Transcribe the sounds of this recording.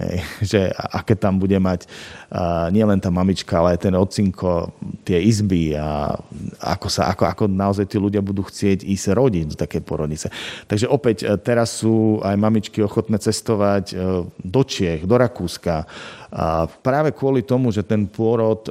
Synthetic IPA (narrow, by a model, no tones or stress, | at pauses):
ɦɛ̰jʒɛʔa̰kɛːt̪ambuɟɛmac | ɲɪɛlɛnt̪aːmamit͡ʃkaalɛajt̪ɛnɔt͡siŋkʰɔt̪ɪɛizbia̰ | a̰kɔsa̰ʔa̰kɔakɔnaɔzajt̪iːluɟɪabud̪uːxt͡sɪɛɟiːzɾɔɟiɟd̪ɔt̪akɛjpʊɔɾɔd̪ɲit͡sɛt̪aɡʒɛʔɔpɛct̪ɛɾasːuːajmamit͡ʃkiɔxɔt̪nɛːt͡sɛst̪ɔʋaɟd̪ɔt͡ʃɪɛɣd̪ɔɾakuːska | pɾaːʋɛkʊɔlit̪ɔmuʒɛt̪ɛnpʊɔɾɔt̪